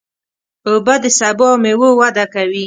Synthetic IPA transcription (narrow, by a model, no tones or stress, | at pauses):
obad̪əsabomewowad̪akawi